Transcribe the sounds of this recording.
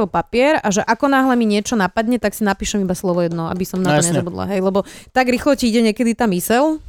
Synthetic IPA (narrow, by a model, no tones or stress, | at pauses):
ɔpapɪɛɾaʒɛʔakɔnaːɦlɛmiɲɪɛt͡ʃɔnapad̪ɲɛt̪aksinapiːʃɛmibaslɔʋɔjɛd̪nɔa̰bisɔmnaɔɲɛzɔbud̪la̰ɦɛjlɛbɔt̪aɡɾixlɔciiɟɛɲɛkɛd̪it̪amisɛl